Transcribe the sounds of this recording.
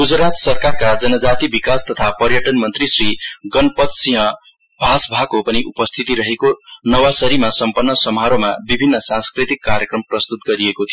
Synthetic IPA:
ɡud͡zɾat̪sʌrkarkad͡zʌnʌd͡zat̪ibikast̪ʌt̪ʰapʌɾjʌʈʌnmʌnt̪risriɡʌnpʌt̪siɦʌ̃ | bʱasbʱakopʌniʔupʌst̪ʰit̪iɾʌɦekonʌwasʌɾimasʌmpʌnːʌsʌmɦaɾomabibʱinːʌsãnskrit̪ikːaɾjekrʌmprʌst̪ut̪̚ɡʌɾiekot̪ʰiio

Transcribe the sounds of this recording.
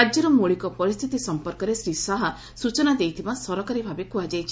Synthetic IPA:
ad͡ʒjɔɾɔmoɭikɔpɔɾist̪ʰit̪isɔmpɔɾkɔɾesɾisaɦa | sut͡ʃɔnad̪ejt̪ʰibasɔɾɔkaɾibʱabekuad͡ʒajt͡ʃʰi

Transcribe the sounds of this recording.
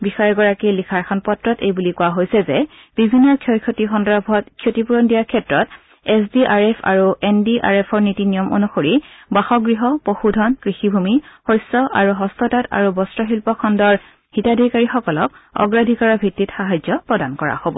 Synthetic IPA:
bixaɹɛɹɡɔɹakilikʰaɹkʰɔnpɔtɹɔtejbulikuwaɦojsɛzɛ | b̥ibʱinːɔɹkʰjokʰotixɔndɔbʱɔtkʰjotipuɹɔndijaɹkʰɛtɹɔt | ɛsdiʔaɹɛpʰa̰ɹuʔɛndiʔa̰ɹepʰɔɹnitinijɔmʔo̰nuxoɹibaxɔɡɹiɦɔpoxudʱɔnkɹixibʱumixojsɔʔaɹuɦɔstɔtata̰ɹubɔstɹɔxilpɔkʰɔndɔɹ | hitadʱikaɹixɔkɔlɔk̚ɔ̰ɡɹadʱikaɹɔbʱitːitxaɦad͡ʒɔpɹɔdankɔɹa̰hobɔ̰

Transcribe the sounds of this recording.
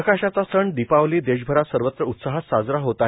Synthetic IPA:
əkaɕat͡sasəɳd̪ipaʋliːd̪eɕbʱəɾasəɾʋət̪ɾəut̪saɦasad͡zɾaɦot̪a

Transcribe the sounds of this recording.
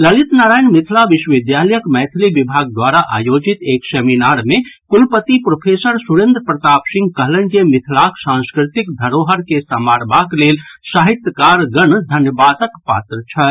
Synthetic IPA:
ləlit̪naːɾajnmit̪ʰlaʋiʃwəʋid̪jaləjəkmɛt̪ʰlibibʱaɡ̚d̪waɾaʔa̰jod͡ʒit̪ekseminaɾmekulpət̪ipɾopʰesəɾsuɾẽnd̪ɾəpɾət̪apsĩŋɡkəɦlənkemit̪ʰlaksãnskɾit̪ikd̪ʱəɾoɦəɾkesəmaɾbaklelsaɦit̪jəkaɾɡənd̪ʱənjəbat̪əkpa̰t̪ɾət͡ʃʰə

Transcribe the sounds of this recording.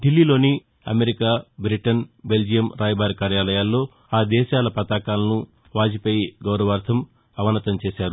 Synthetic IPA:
ɖilːiːlo̞ːni | ɐ̰meɾikaːbɾiʈɐnbe̞ld͡ʒijɐmɾʔaːjɐbaːɾkaːɾjaːlɐjaːlːo̞ː | aːd̪ɛːʃaːlɐpɐt̪aːkaːlɐnu | ʋaːd͡ʒipeːjiɡɐwɾɐʋɐːɾd̪ʰʱɐm | ɐʋɐnɐt̪ɐmt͡ʃeːʃaːɾu

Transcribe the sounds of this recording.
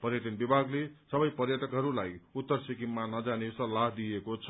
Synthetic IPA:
pʌrjʌʈʌnbibʱaɡlesʌbʌjpʌrjʌʈʌkɦʌɾulajut̪ːʌrsikimːanʌd͡zanesʌlːaɦd̪iekot͡sʰʌ

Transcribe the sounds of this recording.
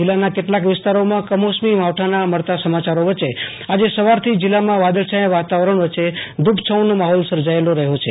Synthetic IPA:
ilːanakeʈlakʋɪst̪aɾomãkəmosmimaʋʈʰanaməɭt̪asəmat͡ʃaɾoʋət͡ʃe | ad͡ʒesəʋaɾt̪ʰid͡ʒɪlːamãʋad̪əɭʃajẽʋat̪aʋɾəɳ̃ʋət͡ʃed̪ubt͡ʃʰəwnomaɦɔlsəɾd͡ʒaeloɾəɦot͡ʃʰe

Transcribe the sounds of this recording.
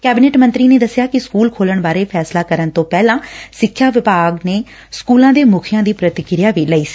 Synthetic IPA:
kɛːbɪneːʈmə̃nt̪ɾiːneːd̪əsjaːkɪskuːlkʰoːləɳbaːɾeːpʰɛːslaːkəɾənt̪õːpɛːlãːsɪkʰːjaːʋɪpaːɡneː | skuːlãːd̪eːmʊkʰɪjãːd̪iːpɾət̪ɪkɪɾjaːʋiːləːiːsi̥ː

